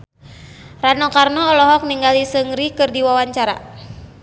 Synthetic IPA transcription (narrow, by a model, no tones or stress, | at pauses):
ranɔkarnɔːlɔɦɔk̚niŋɡalisəŋɾikɨrdiwawaɲt͡ʃaɾa̰